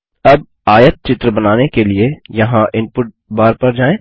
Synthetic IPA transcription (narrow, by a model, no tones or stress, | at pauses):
ɐb̚ | aːjət̪̚t͡ʃɪt̪ɾəbɐnaːnekeliejɐɦãʔɪ̃mpʊʈ̚baːɾpɐɾd͡ʒaːẽː